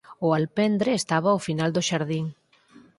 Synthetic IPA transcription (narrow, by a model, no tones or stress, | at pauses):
ʊalpɛnd̪ɾeːst̪aβ̞awfinald̪ʊʃaɾðiŋ